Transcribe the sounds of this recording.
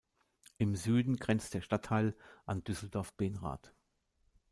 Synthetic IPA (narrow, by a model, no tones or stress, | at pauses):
ʔɪmzyːdn̩ɡʁɛnt͡std̥eːɐʃtatʰːaɪlʔand̥ʏsl̩dɔɐfb̥eːnʁa̰ːt